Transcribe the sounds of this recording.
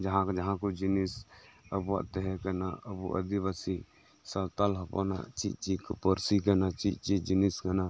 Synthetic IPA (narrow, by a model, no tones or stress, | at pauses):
d͡ʒɐɦãkd͡ʒɐɦãkod͡ʒɪnisɐbʋa̰t̪eɦɛkɐnaɐbuʔɐ̰d̪iʋasi | sɐt̪alɦɐpo̰na̰t͡ʃḭt͡ʃikpəɾsikɐnat͡ʃit͡ʃid͡ʒiniskɐna